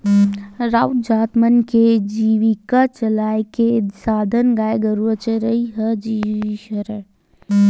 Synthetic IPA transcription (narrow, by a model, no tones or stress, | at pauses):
ɾaːwd͡ʒaːt̪mənked͡ʒiːʋikat͡ʃɐlaːekesaːd̪ʱənɡaːeɡɐɾuət͡ʃəɾəiɦɐd͡ʒiʃɐɾə